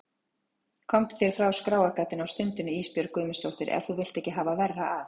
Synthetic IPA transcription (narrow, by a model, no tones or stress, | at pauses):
kʰɔmt̪θjɛɾ̥fɾawskɾaːwakaːt̪ɪnawst̪ʏnt̪ʏnʏiːspjœɾkʏjmɪst̪owht̪ɪɾɛ̰nθuvɪl̥t̪ɛhcːɪɦaːvavɛrːaav